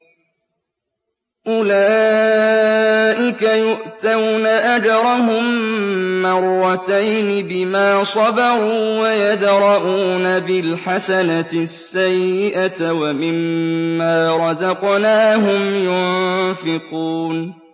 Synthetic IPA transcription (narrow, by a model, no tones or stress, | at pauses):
ʔʊlaː | ʔɪkajʊʔt̪awnaʔad͡ʒɑɾˤɑɦʊmː | ɑɾˤːɑt̪ajnɪbɪmaːsˤɑbɑɾˤuːwajad̪ɾˤɑʔuːnabɪlħasanaɪsːajːɪʔat̪wamɪmːaːɾˤɑzɑqnaːɦʊmjʊnfɪquːn